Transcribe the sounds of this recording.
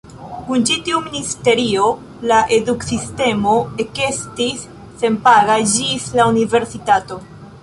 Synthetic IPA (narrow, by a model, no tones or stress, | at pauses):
kunt͡ʃitiuministe̞ɾio̞ | laʔe̞duksiste̞mo̞e̞ke̞stisː | e̞mpaɡad͡ʒislaunive̞ɾsitato̞